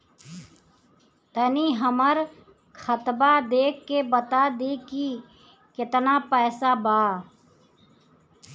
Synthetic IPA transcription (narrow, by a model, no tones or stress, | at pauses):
t̪əniɦəməɾ | kʰət̪bad̪eːkːebət̪ad̪iːki | kɪt̪napɛːsabaː